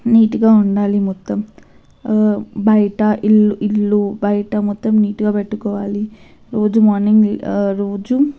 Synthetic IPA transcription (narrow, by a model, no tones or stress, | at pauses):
niːʈuɡaːuɳɖaːlimɔt̪ːɐm | bɐjɐʈɐʔilːilːubɐjɐʈɐmɔt̪ːɐmniːʈuɡaːpeʈːukɔːʋaːli | ɾoːd͡ʒumɔːɾniŋɡɾoːd͡ʒu